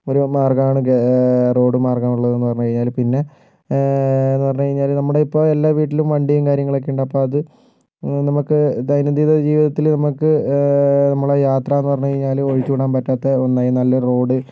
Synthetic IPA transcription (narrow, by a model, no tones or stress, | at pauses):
o̞ɾumaːrkɐaːɳɨro̞ːɽɨmaːrkaːmuɭːɐðɨenːɨpɐrɐɲːukɐɻiɲːaːlpinːe̞ | enːɨpɐrɐɲːukɐɻiɲːaːlnɐmːuɽe̞ipːo̞ːe̞lːaːʋiːʈːilumʋɐɳɖijumkaːɾjɐŋːɐɭek̬ːeːɳɖɐɐpːo̞ːɭɐðɨ | nɐmukːɨd̪ɐjnɐd̪iːðɐd͡ʑiːʋiðɐt̪ːilnɐmukːɨ | nɐmːuɽejaːt̪rɐenːɨpɐrɐɲːukɐɻiɲːaːloɻit͡ɕːuːɽaːmpɐtːaːt̪ːeonːaːjinɐlːɐro̞ːɽɨ